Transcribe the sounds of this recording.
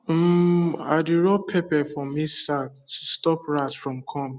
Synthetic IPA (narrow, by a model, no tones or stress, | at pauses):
m̩a̰duɹɔpʰepɛfɔmisak̚tʰustɔpɹatfɹɔ̃mkʰɔ̃m